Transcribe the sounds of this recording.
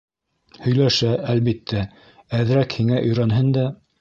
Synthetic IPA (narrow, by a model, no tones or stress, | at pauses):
hɵ̆jlæʃæælβit̪ʰːæ | æðɾækhiŋæʔɵ̆jɾɑnɦɘnd̪æ